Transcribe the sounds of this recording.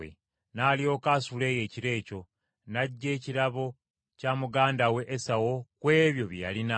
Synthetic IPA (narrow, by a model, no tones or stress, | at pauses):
ḛ | naːlio̞ːkaːsule̞ːje̞ːciɾe̞ːco̞ | naɟːe̞ːciɾaβo̞ | camuɡaːndawe̞ʔːsawo̞kwe̞ːβjo̞βjjalina